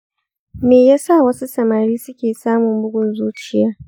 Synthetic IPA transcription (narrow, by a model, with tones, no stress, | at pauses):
meː˨jaː˦sa˦˨wɐ˦su˦sɐ˨ma˨ɽiː˦sʊ˦kʲeː˨saː˦mʊ˨mbʊ˦ɡʷʊ˦nzuː˦t͡ʃɪ˨jaː˦